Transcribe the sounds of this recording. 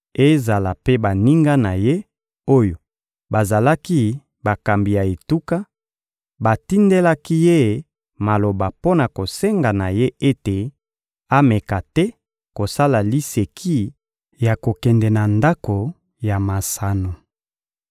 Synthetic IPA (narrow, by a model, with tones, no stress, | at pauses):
e˦za˨la˨pe˦ba˨ni˦ŋɡa˦na˨je˦ | o˦jo˨ | ba˨za˨la˦ki˦ | ba˨ka˨mbi˨ja˨e˨tu˦ka˦ | ba˨ti˦nde˦la˦ki˦je˦˨ | ma˨lo˨ba˨po˦na˨ko˨sɛ˦ŋɡa˨na˨je˦e˦te˨ | a˦mɛ˨ka˨tɛ˦ | ko˨sa˦la˨li˦se˨kʰi˦ | ja˨ko˨kɛ˨ndɛ˨na˨nda˦ko˨ | ja˨ma˨sa˨no˨